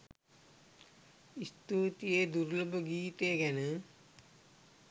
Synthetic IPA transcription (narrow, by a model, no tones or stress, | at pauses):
ist̪uːt̪ijed̪uɾləbəɡiːt̪ejɡænə